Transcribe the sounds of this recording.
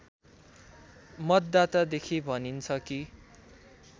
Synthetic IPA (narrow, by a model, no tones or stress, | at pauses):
mʌt̪d̪at̪ad̪ekʰibʱʌnint͡sʰʌki